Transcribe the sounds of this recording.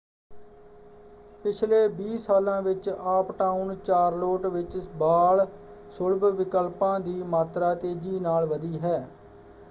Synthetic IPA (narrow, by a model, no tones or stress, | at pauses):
pɪt͡ʃʰleːbiːsaːlãːʋɪt͡ʃaːpʈaːunt͡ʃaːɾloːʈʋɪt͡ʃbaːɭ | sʊlbʋɪkəlpãːd̪iːmaːt̪ɾaːt̪eːd͡ʒiːnaːlʋəd̪iːɦɛː